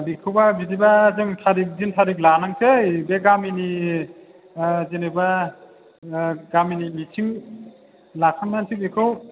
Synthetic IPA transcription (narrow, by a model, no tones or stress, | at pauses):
bikʰɯwbabidibazɯŋtʰaɾik̚zintʰaɾik̚lanaŋsʰejbeɡamini | zeneba | ɡaminimitʰiŋ | lakʰanːansʰik̚bikʰɯw